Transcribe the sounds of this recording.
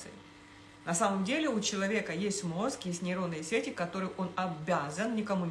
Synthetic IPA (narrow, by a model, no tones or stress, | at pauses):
ɨɪ | nɐsaməmdʲelʲɪʊt͡ɕɪlˠɐvʲe̞kəjesʲtʲmo̞skjesʲtʲnʲɪɾo̞nːɨjəsʲetʲɪkɐt̪o̞ɾɨjʔo̞nɐbʲazənnʲɪkɐmunʲ